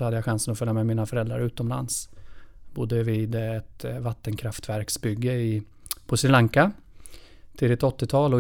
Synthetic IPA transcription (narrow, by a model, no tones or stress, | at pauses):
ɔhad̪ːəjaɧansənɔfœɾjamɛmiːnafœɾɛld̪ɾa̰ɾʉ̟ːt̪ɔmla̰ns | bʊd̪ːəviːd̪ɛt̪vat̪ːənkʰɾaft̪væɾksbʏɡːəɪ | pʰɔsɾɪlaŋka | t̪ʰɪld̪ɪt̪ɔt̪ːɪt̪ʰɑːlɔ